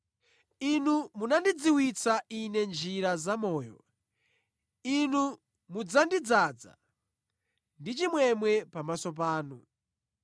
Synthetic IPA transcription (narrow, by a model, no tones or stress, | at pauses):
inumunandid͡ziwit͡saʔinɛnd͡ʒiɾazamɔːjɔ̰ | inu | mud͡zandid͡zad͡za̰ | ndit͡ʃimwɛmwɛpamasɔp̬aːnu